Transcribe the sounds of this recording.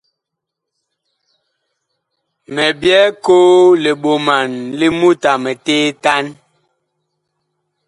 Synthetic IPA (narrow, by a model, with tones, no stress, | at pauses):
mɛ˨bjɛ˦koː˦le˨ɓo˨ma˨nli˦mu˦ta˨mɛ˨teː˦ta˦n